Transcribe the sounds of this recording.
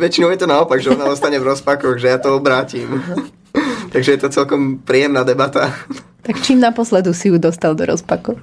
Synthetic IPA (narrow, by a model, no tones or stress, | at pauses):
ʋɛt͡ʃinɔʊjɛt̪ɔnaɔpaɡʒɛɔnaɔst̪aɲɛvɾɔspakɔɣʒɛjat̪ɔɔbɾaːcim | t̪aɡʒɛjɛt̪ɔt͡sɛlkɔmpɾiːjɛmnaːd̪ɛbat̪a | t̪akt͡ʃiːmnapɔslɛd̪usijud̪ɔst̪ald̪ɔ̰ɾɔ̰spakɔʊ